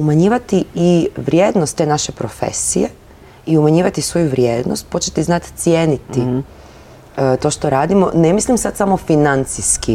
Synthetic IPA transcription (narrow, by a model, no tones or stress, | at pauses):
umaɲiːʋat̪iiʋɾʲjeːd̪nost̪ːe̞ːnaʃe̞pɾofḛsḭje | iumaɲiːʋat̪isʋo̞juʋɾʲjeːd̪nost̪̚po̞t͡ɕet̪iznat̪t̪sjeːnit̪i | t̪o̞ʃt̪o̞ɾaːd̪imo̞̰nemislimsad̪samo̞finant̪siski